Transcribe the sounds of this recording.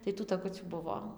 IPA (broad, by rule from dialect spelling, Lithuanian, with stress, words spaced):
tɐɪ tuː tɐˈkʊt͡sʲuː ˈbʊʋoː